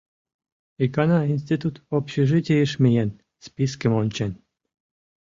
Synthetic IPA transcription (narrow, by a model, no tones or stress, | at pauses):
ikɑnɑins̬t̪it̪ut̪opɕeʒɘtʲejəʃmʲijen | spiskəmonʲt͡ɕen